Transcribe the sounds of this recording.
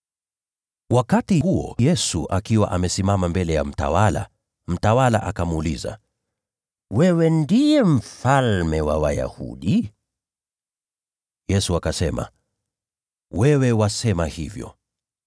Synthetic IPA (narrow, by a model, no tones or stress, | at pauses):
wakatihuɔ̰jɛsuʔakiwa̰ʔamɛsimamambɛlɛjam̩ta̰wala̰ | m̩tawala̰ʔakamuliza̰ | wɛwɛndijɛm̩falmɛwawa̰ja̰hṵɗi | jɛsuakasɛma̰ | wɛwɛwasɛmahḭvjɔ̰